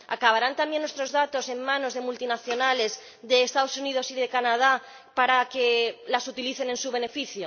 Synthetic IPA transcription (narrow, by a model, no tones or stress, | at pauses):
a̰kaβ̞aɾant̪ambje̞nːwest̪ɾo̞zðat̪o̞se̞mmãnozðe̞mult̪inaθjo̞nale̞z | ðe̞ːst̪aðosunið̞o̞siðe̞kanað̞a | paɾake̞lasut̪iliθe̞ne̞nsuβ̞e̞ne̞fiθjo